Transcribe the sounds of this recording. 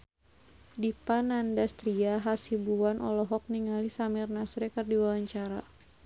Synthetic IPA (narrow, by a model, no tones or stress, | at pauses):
dipanandast̪ɾiaɦasibuwanʔɔ̰lɔɦɔk̚niŋalisamirnasɾɛkɨrdiwawaɲt͡ʃaɾa̰